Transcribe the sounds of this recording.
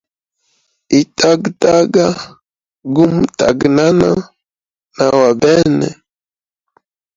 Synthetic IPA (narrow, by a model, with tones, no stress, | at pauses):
i˨ta˦ɡta˦ɡa˦ | ɡu˦mta̰˨ɡna˦na˦ | na˨wa˨bɛ˦nɛ̰˨